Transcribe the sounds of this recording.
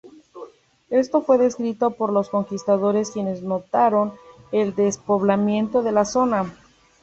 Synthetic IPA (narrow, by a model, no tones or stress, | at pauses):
e̞st̪o̞fwe̞ðe̞skɾit̪o̞po̞ɾlo̞sko̞ŋkist̪aðo̞ɾe̞skje̞ne̞zno̞t̪aɾo̞ne̞ld̪e̞spo̞βlamje̞nt̪o̞ðe̞laso̞na